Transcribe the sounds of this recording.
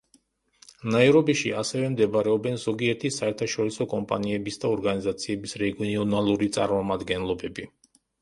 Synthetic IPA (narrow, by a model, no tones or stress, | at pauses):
naɛɾɔbiʃiasɛvɛmd̪ɛbaɾɛɔbɛnzɔɡiɛɾt̪ʰisaɛɾt̪ʰaʃɔɾisɔkʼɔmpʼa̰niɛbisd̪aɔɾɡanizat̪sʰiɛbisɾɛɡiɔnalˠuɾit̪sʼa̰ɾmɔmad̪ɡɛnlˠɔbɛbi